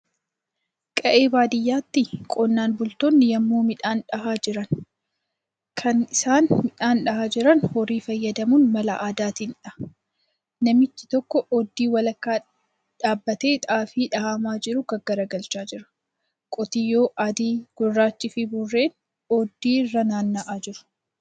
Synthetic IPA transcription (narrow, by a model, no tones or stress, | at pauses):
kʼɐʔeːbaːd̪ɪjːaːt̪ːɪkʼɔnːaːnbʊlt̪oːnːɪjɐmːoːmɪᶑaːnᶑɐhaːd͡ʒɪɾɐn | kʰɐnɪsaːnmɪᶑaːnᶑɐhaːd͡ʒɪɾɐnhɔɾiːfɐjːɐd̪ɐmunmɐlɐʔaːd̪aːt̪iːnᶑɐ | nɐmɪt͡ʃːɪ̥t̪ɔkːɔʔɔd̪ːiːwɐlɐkːaː | ᶑaːbːɐt̪e̞ːt̪ʼaːfiːᶑɐhaːmaːd͡ʒɪɾʊkɐɡɐɾɐɡɐlt͡ʃaːd͡ʒɪɾɐ̥ | kʼɔt̪ɪjo̞ːʔɐd̪iːɡ̥ʊrːaːt͡ʃːɪfɪbʊrːe̞ːn | ɔd̪ːiːrːɐnaːnːɐʔaːd͡ʒɪɾʊ̥